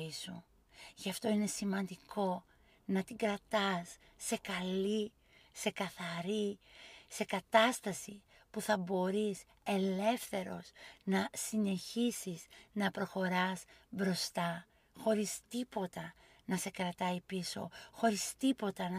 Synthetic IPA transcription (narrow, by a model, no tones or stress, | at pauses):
isu | ʝɐft̪o̞ine̞simɐnd̪iko̞ | nɐt̪iɡɾɐt̪ɐsː | e̞kɐli | se̞kɐθɐɾise̞kɐt̪ɐst̪ɐsi | puθɐbo̞ɾis | e̞le̞fθe̞ɾo̞̰snɐsine̞çisiznɐpɾo̞xo̞ɾɐzbɾo̞st̪ɐ | xo̞ɾist̪ipo̞t̪ɐ | nɐse̞kɾɐt̪ɐipiso̞̰xo̞ɾist̪ipo̞t̪ɐnɐ